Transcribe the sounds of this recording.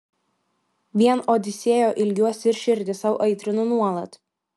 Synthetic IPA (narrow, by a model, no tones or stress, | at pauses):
ʋʲiɛnʔoːd̪ʲɪsʲeːjoːʔɪlʲɡʲuɔsʲɪɾʲʃʲɪɾʲd̪ʲɪsɐʊʔɐɪt̪ʲɾʲɪnunuɔlˠɐt̪